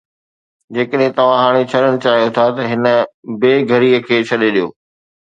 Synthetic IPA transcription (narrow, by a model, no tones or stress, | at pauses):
d͡ʑeːkəɗɦɪ̃t̪ɐʋ̤ãɦaːɽ̃et͡ɕʰɐɗəɽ̃t͡ɕaːɦijot̪ʰat̪ɐɦɪnə̆beːɡʱɐɾiːəkʰeːt͡ɕʰɐɗeɗijo̰ː